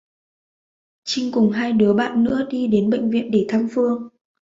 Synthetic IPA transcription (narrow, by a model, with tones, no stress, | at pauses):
t͡ɕï˧ŋ̟kʊ˨˩ŋ͡mɦaː˧jɗɨ˨˦əɓa̰ː˧˨nːɨ̰˧˥əɗi˧ɗe˨˦nɓḛ˧˨jŋ̟vḭ˧˨ənɗe˧˩t̪ʰaː˧mfɨ˧əŋ